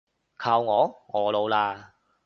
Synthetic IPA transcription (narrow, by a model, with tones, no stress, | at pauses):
kʰaː˧wŋɔː˨˧ŋɔː˨˧lo˨˧wlaː˧